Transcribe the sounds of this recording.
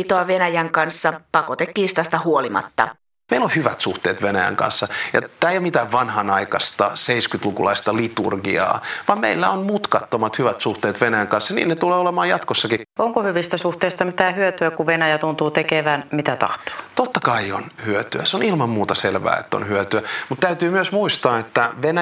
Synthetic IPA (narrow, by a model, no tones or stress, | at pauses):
it̪oɑʋenæjæŋkɑnsːɑpɑkot̪et̪ːiːst̪ɑst̪æhuolimɑ̰t̪ːɑ̰ | meilohyʋæt̪suht̪ḛːt̪ʋenæjæ̰ŋkɑ̰nsːɑjɑ̰t̪ːæːejomit̪æːʋʋɑnhɑnɑikɑst̪ɑseiskyt̪lukulɑist̪ɑlit̪ṵrɡḭɑ̰ːʋɑmmeilːæonmut̪kɑt̪ːomɑt̪hyʋæt̪suht̪eːt̪ʋenæjæŋkɑnsːɑnḭːnnet̪uleːolemɑːjɑt̪kosːɑkioŋkohyʋist̪æsuht̪eist̪ɑmit̪æːhyøt̪yækuʋenæjæt̪unt̪uːt̪ekeʋæːnmit̪æt̪ɑ̰ht̪o̥t̪ot̪ːɑkɑio̰nhyøt̪yæseonilmɑmmuːt̪ɑselʋæ̰ːḛt̪ːæo̰nhyøt̪yæmut̪t̪æyt̪yːmyøsmuist̪ɑːet̪ːæʋenæ